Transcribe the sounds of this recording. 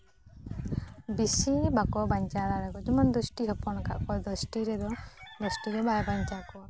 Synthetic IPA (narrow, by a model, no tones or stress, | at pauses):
bisibakɔbaɲt͡ʃaɾaɾɛkɔd͡ʒɔmand̪ɔsʈiɦɔpɔnka̰ʔkɔd̪ɔsʈiɾɛd̪ɔd̪ɔsʈiɾɔbajbaɲt͡ʃakɔ